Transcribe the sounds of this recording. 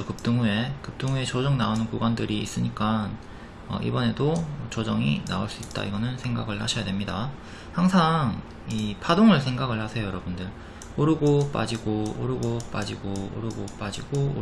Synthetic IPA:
ʌkɯp̚t͈ɯŋue̞kɯp̚t͈ɯŋue̞t͡ɕod͡ʑʌŋnaonɯnkuɡandɯɾiːs͈ɯɲik͈an | ʌ̰ʔḭbʌne̞dot͡ɕʌd͡ʑʌŋḭna̰oɭs͈uit̚t͈a̰iɡʌnɯnsʰe̞ŋɡa̰ɡɯɭhaɕʰʌjadwe̞mɲida | haŋsʰaŋ | ipʰadoŋɯɭsʰe̞ŋɡaɡɯɭhasʰejojʌɾʌbundɯɭ | oɾuɡop͈a̰d͡ʑiɡooɾuɡop͈a̰d͡ʑiɡoo̰ɾuɡop͈ad͡ʑiɡo

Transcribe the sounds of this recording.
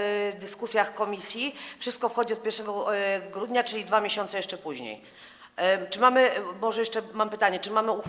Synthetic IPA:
d̪ɘskusʲjaxkɔmʲisʲjifʂɘst̪̚kɔfxɔd͡ʑiɔt̪̚pʲjɛɾʂɛɡɔɡɾud̪ɲat͡ʂɘlʲid̪vamʲjeɕɔnt̪sɛjɛʂt͡ʂɛpuʑɲḛj | t͡ʂɘmamɘmɔʐɛjɛʂt͡ʂɛmampɘt̪aɲɛt͡ʂɘmamɘux

